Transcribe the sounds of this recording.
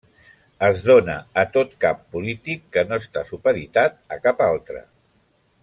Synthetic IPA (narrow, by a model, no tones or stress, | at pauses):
əzðonəːt̪ot̪kapːulit̪ikːənoəst̪asupəðit̪at̪̚əkapalˠt̪ɾə̰